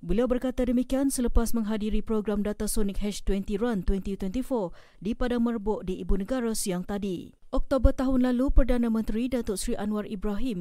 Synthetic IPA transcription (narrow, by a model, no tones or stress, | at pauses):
bəliawbərkat̪adəmikiansələpasmə̃ŋɦadiɾipɾoɡɾamdat̪asɔnik̚ɦɛt͡ʃʃt̪wɛnt̪iɾant̪wɛnt̪it̪wɛnt̪ifɔr | dipadamərbʊʔdiʔːbunəɡaɾasiaŋt̪adi | ʔɔk̚t̪obərt̪aɦʊnlalupərdanãmə̃nt̪ɾidat̪ʊʔsɾiʔanwaribɾaɦim